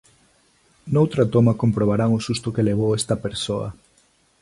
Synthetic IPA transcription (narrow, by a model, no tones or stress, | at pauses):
nowt̪ɾat̪omɐkompɾoβ̞aɾaŋosust̪ʊkeleβ̞owest̪ɐpeɾsoɐ̰